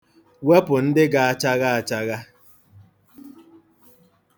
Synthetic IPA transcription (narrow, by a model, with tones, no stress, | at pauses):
we˦pʊ˨n̩˦dɪ˦ɡa˨a˦t͡ʃa˦ɣa˦a˨t͡ʃa˦ɣa˦